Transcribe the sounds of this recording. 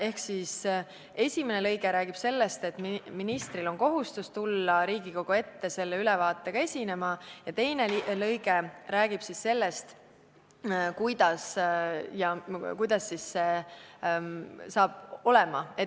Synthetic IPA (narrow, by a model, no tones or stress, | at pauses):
e̞hksis | e̞sʲime̞nelɤ̞jɡ̥e̞ɾæːɡ̥ib̥se̞lːe̞st̪e̞t̪ːˑmminist̪rilo̞nko̞ɦust̪ust̪ulːɑɾiːɡiko̞ɡ̥ue̞t̪ːe̞se̞lːeylɛvɑːt̪ˑːe̞ɡ̥ɑe̞sʲine̞mɑjɑt̪e̞jne̞lɤjɡe̞ræːɡ̥ib̥sisse̞lːe̞st̪ | kujd̪̥ɑsjɑkujd̪̥ɑsːisːe̞ | sɑːb̥̚o̞lemɑe